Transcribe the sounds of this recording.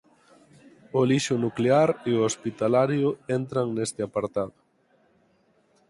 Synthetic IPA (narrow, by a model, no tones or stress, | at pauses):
ʊliʃʊnukleaɾeoospit̪alaɾjʊent̪ɾaŋnest̪ɪapaɾt̪aðʊ